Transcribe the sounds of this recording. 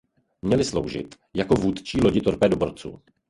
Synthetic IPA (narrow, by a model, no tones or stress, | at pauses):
mɲɛlɪslowʒɪ̰t̪ | jako̞vuːt̪t͡ʃiːlo̞ɟɪt̪oɾpɛːdoboɾt͡sṵː